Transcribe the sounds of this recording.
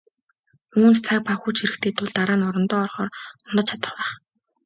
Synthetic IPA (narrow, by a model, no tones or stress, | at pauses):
ɵuːnt͡st͡sʰak̚paxuːt͡ɕʰiɾɘ̆kt̪ʰeːt̪ʰʊɮt̪aɾaːnɔɾɞ̆nt̪ɔːɔrχɔːrɔnt̪ɞ̆t͡ɕʰat̪ə̥̆χwæːχ